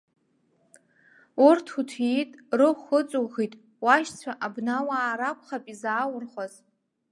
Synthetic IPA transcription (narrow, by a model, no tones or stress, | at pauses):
urtʰutʰitʼrɨχət͡sʼuɣitʼ | waʃt͡sʷʰaʔabnawaːɾakʷʰʼχapʼizaːwʊrχʷaz